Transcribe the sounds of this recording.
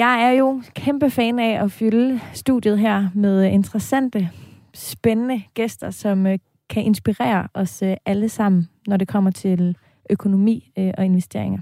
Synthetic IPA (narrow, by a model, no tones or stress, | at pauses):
jɑ̈ɪæɐjo̝kʰemb̥əfɛ̰ːnæɒfylsd̥ṵðˠjəð̞̩ˠɦæɐ̰með̞ˠe̝nd̥ʰʁɐsæn̰d̥ə | sb̥enənəɡ̥esd̥ɐsɒ̽m | kʰæʔe̝nsb̥iʁɛ̰ːɐʔɒ̽sʔæləsɑ̈m̰n̩nɒɾe̝kʰɒ̽m̰ɐt͡sʰe̝l | økʰo̝no̝mḭːʔɒ̽e̝nʋesd̥e̝ɐe̝ŋɐ